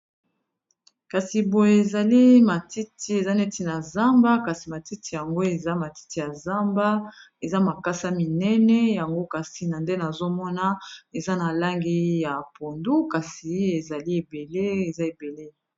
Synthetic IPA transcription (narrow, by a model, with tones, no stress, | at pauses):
ka˨si˨bo˨je˨e˨za˨li˦ma˨ti˦ti˦e˨za˦nɛ˦ti˦na˨za˦mba˦ka˨si˨ma˨ti˦ti˨ja˨ŋɡo˦e˨za˦ma˨ti̥˦ti˦ja˨za˦mba˦ | e˨za˦ma˨ka˦sa˦mi˨nɛ˦nɛ˦ja˨ŋɡo˦ka˨si˨na˨nde˦na˨zo˦mɔ˦na˦e˨za˦na˨la˦ŋɡi˦ja˨pʰo˨ndu˦ka˨si˨e˨za˨li˦e˨be˨le˦e˨za˦e˨be˨le˦